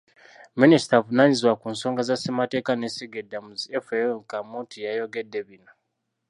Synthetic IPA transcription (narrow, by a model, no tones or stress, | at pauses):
minisi̥tavunaɲizwakunso̞ːŋɡazasemate̞ːkanesiɡedamuziefekamuːtʰijajo̞ɡe̞dːe̞βina